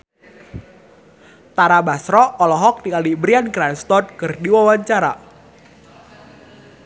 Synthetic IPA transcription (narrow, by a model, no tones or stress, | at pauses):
t̪aɾabasɾɔɔlɔɦɔk̚nikalibɾianɡɾanst̪ɔt̪̚kɨrdiwawaɲt͡ʃaɾa